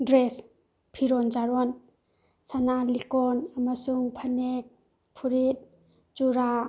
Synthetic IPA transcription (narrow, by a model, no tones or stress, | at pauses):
dɾes | pʰiɾɔnd͡ʒaɾɔn | sanalikɔnamasuŋpʰanek̚ | pʰuɾit̚ | d͡ʒuɾa